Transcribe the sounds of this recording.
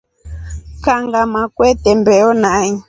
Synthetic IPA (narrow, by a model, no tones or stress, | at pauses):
kaŋɡamakwɛtɛmbɛɔnaɲi